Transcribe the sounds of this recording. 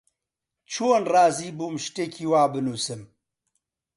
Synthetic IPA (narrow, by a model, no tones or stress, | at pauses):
t͡ʃʰoːnrɑːziːbuːmʃt̪eːkʰiːwaːbɨnuːsɨm